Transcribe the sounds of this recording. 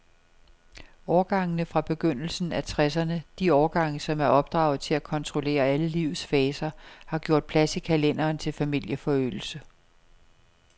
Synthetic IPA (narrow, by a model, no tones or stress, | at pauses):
ɒːɡ̥ɑ̈ŋnəfʁɑ̈b̥e̝ɡ̥øn̰l̩sn̩æt͡sʰʁɛsɐnəd̥iɒʊɡ̥ɑ̈ŋ̰sɒ̽mæɐɒ̽b̥̚d̥ʁɑ̰̈ʊð̩ˠt͡sʰe̝lækʰɒ̽nt͡sʰʁo̝le̝̰ːɐæləliʊð̩ˠsfɛːsɐhɑ̈ɡ̥jo̝ɐ̰d̥̚pʰlæsikʰælen̰ɐːnt͡sʰe̝lfæmil̰jəfɒ̽ø̰ːl̩sə